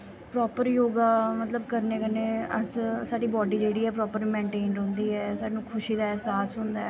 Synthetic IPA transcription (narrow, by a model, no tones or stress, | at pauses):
pɾɔːpəɾjoːɡaːmət̪ləbkəɾneːkənẽːəssaːɖiːbɔːɖiːd͡ʒeːɽiːɛːpɾɔːpəɾmẽːɳʈeːɳɖɦʊ̃ːnd̪iːɦɛːsaːɖnũːkʰʊʃiːd̪aːɛːsaːsɦʊ̃nd̪aːɛː